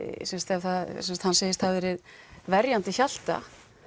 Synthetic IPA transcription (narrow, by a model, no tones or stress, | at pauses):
sɛmst̪ɛvθaðsɛnsat̪hanseːjɪst̪havɛɾɪðvɛɾjant̪ɪçal̥t̪a̰